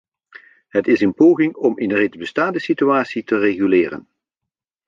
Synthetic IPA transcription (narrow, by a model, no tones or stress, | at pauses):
ɦətɪsənpoːɣɪŋɔmɪnrejdzbəstaːndəsityaːtsitəreχylɪːrə̰n